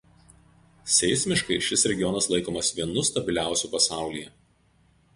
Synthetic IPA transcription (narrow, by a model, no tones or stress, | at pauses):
sʲɛɪsʲmʲɪʃkɐɪʃʲɪsɾʲɛɡʲɪjɔnɐslˠɐɪkoːmɐsʋʲiɛnʊst̪ɐbʲɪlʲæˑʊsʲuˑːpɐsɑˑʊlʲijɛ